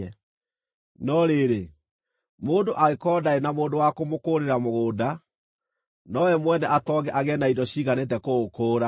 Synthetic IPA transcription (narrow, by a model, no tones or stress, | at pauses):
ɛ | nɔɾeːɾe | moːndoʔaekɔdaenamoːndowakomokoɾeɾamoɣoːda | nɔwɛmwɛnɛʔatɔɣɛʔaɣɛnaidɔɕiːɣanet̬ɛkookoːɾa